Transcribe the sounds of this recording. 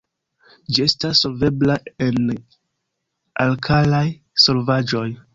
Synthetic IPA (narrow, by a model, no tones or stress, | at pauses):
d͡ʒie̞stasːo̞lve̞blaen | alkʰalaj | so̞lvad͡ʒo̞j